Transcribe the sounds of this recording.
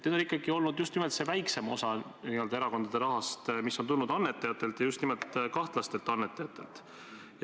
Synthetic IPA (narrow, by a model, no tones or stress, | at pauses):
ned̪o̞likˑːɑɡio̞lnud̪just̪nimelt̪se̞væjkse̞mo̞sɑniø̞ld̪ɑeɾɑko̞nd̪̥ɑd̪e̞ɾɑɦɑst̪misːo̞nt̪unːud̪ɑnːe̞t̪ːˑɑjɑt̪ːˑe̞lt̪jɑjust̪nimelt̪kɑht̪lɑst̪e̞lt̪ːˑɑnːet̪ːˑɑjɑt̪ːˑe̞lt̪ːˑ